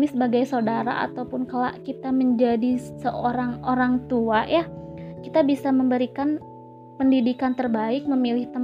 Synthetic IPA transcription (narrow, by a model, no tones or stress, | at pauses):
misəbaɡajsaudaɾa̰a̰t̪awpʊnkala̰ʔkit̪aməɲd͡ʒadisəʔoɾaŋoɾaŋt̪uajakit̪abisaməmbəɾikan | pəndidikant̪ərbaɪk̚məmilɪht̪ə